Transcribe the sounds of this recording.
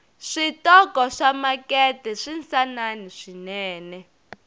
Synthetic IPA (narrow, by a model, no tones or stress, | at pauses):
ʂitɔkɔʂamakɛtɛʂinsananiʂinɛːnɛ